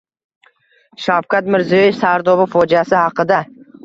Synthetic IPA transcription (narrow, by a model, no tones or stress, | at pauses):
ʃawkat̪mɪɾzijɒjefsaɾd̪ɒbɪfɒd͡ʒasɪhɑqɨd̪a